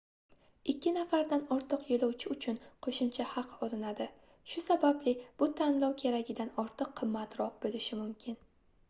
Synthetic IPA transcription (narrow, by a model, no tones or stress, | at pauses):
ɪkʲːɪnafaɾd̪anɒɾt̪ʰɨqjolɒwt͡ʃʰɪʊt͡ʃʰʊnqʰoʃʊmt͡ʃʰahɑqʰɒlɪnad̪ɪ | ʃʊsabablɪb̥ʊt̪ʰanlˠɒwkʲʰe̞ɾaɡʲɪd̪anɒɾt̪ʰɨqʰːɨmːat̪ɾɒq̚bolɪʃɪmʊmkʲʰɪn